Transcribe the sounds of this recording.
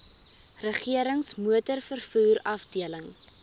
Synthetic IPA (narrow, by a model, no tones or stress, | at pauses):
rəχiəɾəŋsmuətərfərfuːɾɐfdiələŋ